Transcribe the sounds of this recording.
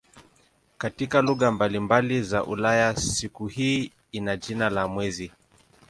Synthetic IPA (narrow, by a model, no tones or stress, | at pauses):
katikaluɣambalimbalizaʔṵlajasikuhiː | inaʄinalamwɛzi